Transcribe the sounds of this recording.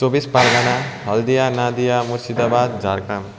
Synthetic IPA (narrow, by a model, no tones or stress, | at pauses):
t͡sobispaɾɡanaɦʌld̪ijanad̪ijamuɾsid̪abad̪d͡ʒʱaɾkam